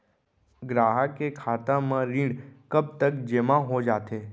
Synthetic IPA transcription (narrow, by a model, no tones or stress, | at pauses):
ɡɾaːɦəkekʰaːt̪amãɾĩːɽkəb̚t̪əkd͡ʒemãɦod͡ʒaːt̪eː